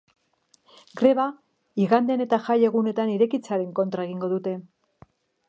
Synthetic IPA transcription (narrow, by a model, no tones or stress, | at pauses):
ɡɾe̞βa | iɣand̪ene̞t̪axaje̞ɣune̞t̪aniɾe̞kit͡saɾe̞ŋko̞nt̪ɾae̞ɣiŋɡo̞ðut̪e̞